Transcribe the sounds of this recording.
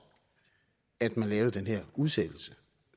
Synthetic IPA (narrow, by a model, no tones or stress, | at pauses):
æd̥mænlɛːʊð̩ˠd̥enɦeɐ̰uðˠsed̥l̩sə